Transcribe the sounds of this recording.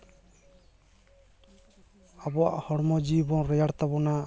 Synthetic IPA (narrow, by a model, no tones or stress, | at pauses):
abɔwa̰ʔhɔɽmɔd͡ʒibɔnɾɛjaɽt̪abɔna